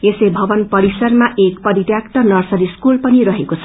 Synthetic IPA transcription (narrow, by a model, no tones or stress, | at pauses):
esebʱʌbʌnpʌɾisʌrmaʔekpʌɾit̪jakt̪ʌnʌrsʌɾiskulpʌniɾʌɦekot͡sʰʌ